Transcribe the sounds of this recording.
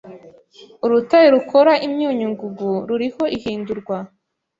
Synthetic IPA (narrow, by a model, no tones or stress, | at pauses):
uɾutajeɾukʰo̞ɾaʔimɲuːɲuŋɡuɡuɾuɾiho̞ʔihiːnduɾɡwa